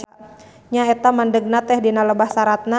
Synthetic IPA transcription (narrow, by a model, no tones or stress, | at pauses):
ɲaɛt̪amandəɡ̚nat̪ɛhdinaləbahsaɾat̪̚na